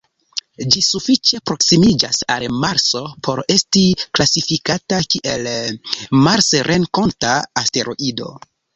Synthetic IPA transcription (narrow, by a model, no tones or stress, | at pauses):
d͡ʒisufit͡ʃe̞pɾo̞ksimid͡ʒasa̰lmaɾso̞pʰo̞ɾe̞stiklasifikatakiʔe̞l | maɾsɾʔenko̞ntaːste̞ɾo̞ʔido̞̰